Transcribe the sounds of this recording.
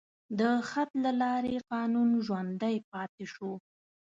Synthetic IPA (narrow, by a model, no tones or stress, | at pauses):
d̪əxat̪lalɑɾeqɑnunʒwand̪əjp̚ɑt̪eʃu